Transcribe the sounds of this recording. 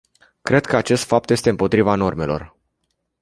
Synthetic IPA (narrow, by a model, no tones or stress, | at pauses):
kɾe̞d̪̚kəat͡ʃe̞st̪fap̚t̪je̞st̪eɨmpo̞t̪ɾivano̞rme̞lo̞̰r